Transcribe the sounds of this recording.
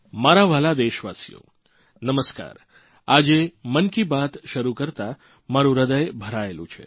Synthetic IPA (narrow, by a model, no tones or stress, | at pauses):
maɾaʋalad̪eʃʋasijo̰ | nəməska̰ːɾ | ad͡ʒemənkibat̪ʃəɾukəɾt̪a | maɾũɾəd̪əjbʱəɾaelṵ̃t͡ʃʰḛ